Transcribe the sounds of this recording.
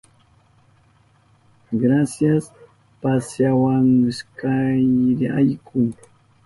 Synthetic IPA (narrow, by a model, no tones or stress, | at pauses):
ɡɾasjas | pasjawaŋɪskajɾɪajkʰʊŋ